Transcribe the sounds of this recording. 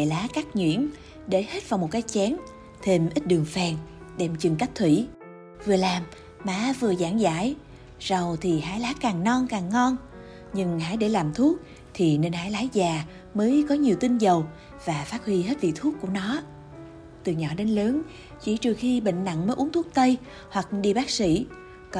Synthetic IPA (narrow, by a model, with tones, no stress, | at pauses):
laː˨˦kaː˦˥k̚ɲwḭ˧˨ən | ɗe˧˩he˦˥t̚vaː˨˩wmo˨˩t̚kaː˨˦jt͡ɕɛ˨˦n | t̪ʰe˧mʔi˦˥t̟̚ɗɨ˨˩əŋfɛː˧˩ŋ | ɗɛ˧˩mt͡ɕɨ˨˩ŋka˦˥jk̟̚t̪ʰwḭ˧˩˨ | vɨ˨˩əlaː˨˩mː | aː˧˩vɨ˨˩əzaː˧˩ŋza̰ː˧˥˨j | zə˨˩wt̪ʰi˨˩ɦaː˧˥jlaː˨˦˥kaː˨˩ŋnɔ˧nkaː˨˩ŋːɔ˧n | ɲɨ˧ŋha̰ː˧˥˩jɗe˧˩laː˨˩mt̪ʰu˦˥ək̚ | t̪ʰi˨˩ne˧nhaː˧˥jlaː˨˦jzaː˨˩ | məː˨˦jkɔ˨˦ɲi˨˩əwt̪i˧ŋzə˨˩w | vaː˨˩faː˦˥t̚hwi˧he˦˥t̚lḭ˧˨t̪ʰu˦˥k̚u˧˩ənɔ˨˦ | t̪ɨ˨˩ɲɔ̰˧˩ɗe˨˦nləː˨˦n | t͡ɕḭ˧˩t͡ɕɨ˨˩əxi˧ɓḛ˧˨ŋ̟na̰˧˨ŋməː˨˦ʔu˨˦ŋt̪ʰu˦˥k̚t̪ə˧j | hwa˨˩k̚ɗi˧ɓaː˦˥k̚sḭ˧˩˨ | k